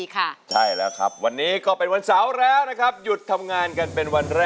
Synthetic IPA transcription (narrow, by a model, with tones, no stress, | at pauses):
kʰa˥˩t͡ɕʰa˥˩jlɛ˦˥kʰɾa̰˦˥p̚wa˧nːiː˦˥kɔː˥˩pe˧nwa˧nsa˨˩˦wɾɛː˦˥wna˦˥kʰa˦˥p̚ju˨˩t̪ʰːa˧mŋaː˧nka˧npe˧nwa˧nɾɛː˥